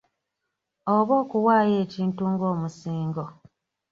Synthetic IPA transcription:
oβoːkuwaːje̞ːciːntuŋɡo̞ːmusiːŋɡo

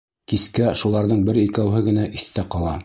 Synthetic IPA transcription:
kiskæʃulˠɑɾðɤɴbɘɾikæwɦɘɡɘ̆næʔiθt̪æqɑlˠɑ

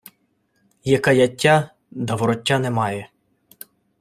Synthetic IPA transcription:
jɐkɑjɐtʲːa | d̪ɐʋɔɾɔtʲːanɛmɑjɛ

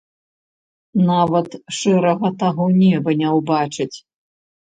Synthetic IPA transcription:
navɐt̪ʂɛɾɐɣɐt̪aɣɔnʲɛbɐnʲɛwbat͡ʂɨt͡sʲ

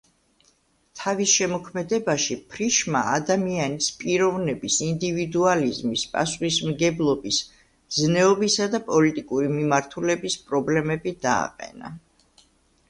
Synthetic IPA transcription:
t̪ʰavisʃɛmɔkʰmɛd̪ɛbaʃipʰɾiʃma̰ːd̪amianispʼiɾɔvnɛbisind̪ivid̪ualizmispʼa̰sχismɡɛblˠɔbis | znɛɔbisad̪apʼɔlit̪ʼikʼuɾimimaɾt̪ʰulɛbispʼɾɔblɛmɛbid̪a̰ːqʼɛ̰na̰

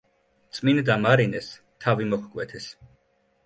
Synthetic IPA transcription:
t̪sʼmind̪amaɾinɛs | t̪ʰavimɔχkʼwɛt̪ʰɛs

